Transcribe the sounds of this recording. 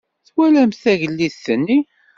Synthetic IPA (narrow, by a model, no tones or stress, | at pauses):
θwælæmθæʝəlːiðθənːi